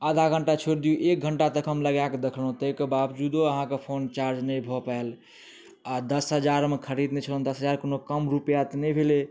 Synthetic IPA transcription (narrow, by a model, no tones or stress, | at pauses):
əd̪ʱaɡʱəɳʈat͡ʃʰoɾd̪ijuʔek̚ɡʱəɳʈat̪əkʰəmləɡakd̪ekʰlɦõt̪əjkebabd͡ʒud̪oəɦãkepʰont͡ʃaɾd͡ʒnəjbʱɔpael | ad̪əsɦəd͡ʒaɾmekʰəɾid̪net͡ʃʰəlond̪əsɦəd͡ʒaɾkonokəmɾupjat̪nəbʱele